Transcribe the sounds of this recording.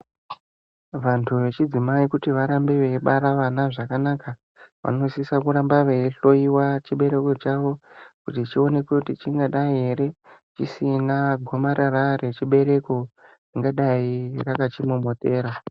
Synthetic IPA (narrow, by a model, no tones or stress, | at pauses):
ʋantʰuʋe̞t͡ʃid͡zimaikutiʋaɾambe̞ʋe̞ɓaɾaʋanaʐakanaka | ʋa̰no̞sisakuɾambaʋe̞ɬo̞iwat͡ʃiɓe̞ɾe̞ko̞t͡ʃaʋo̞kutit͡ʃio̞ne̞kwekutit͡ʃiŋɡaɗaiɦe̞ɾe̞t͡ʃisinaɡʱo̞maɾʔaɾare̞t͡ʃiɓe̞ɾe̞ko̞d͡ziŋɡaɗairakat͡ʃimomote̞ːɾa